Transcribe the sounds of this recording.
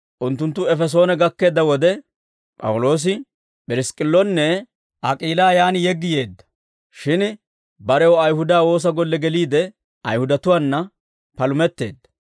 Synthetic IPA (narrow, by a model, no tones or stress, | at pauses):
ʔʊnt̪ːʊnt̪̬ːʊɛfɛs̬o̞ːnɛɡɐkːe̞ːd̪ːɐwɔd̪ɛ | pʼɐ̰wʊlo̞ːs̬ɪ | pʼɪɾɪskʼɪlːɔnːɛ | ʔɐkʼiːlaːjaːnɪjɛɡːɪje̞ːd̪ːɐ̥ | ʃɪn | bɐɾɛwɔɐjhʊd̪aːwo̞ːs̬ɐɡɔlːɛɡɛliːd̪ɛ | ʔɐ̰jhʊd̪ɐt̪ʊwaːnːɐ | pɐlʊmɛt̪ːe̞ːd̪ːɐ̥